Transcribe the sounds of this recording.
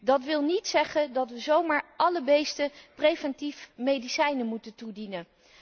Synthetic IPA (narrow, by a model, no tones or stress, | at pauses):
dɑtʋɪlˠnitsɛχəndɑtʋəzowmaːɹʔɑləbejstəprejvɛntifmejdisɛjnəmutəntudinən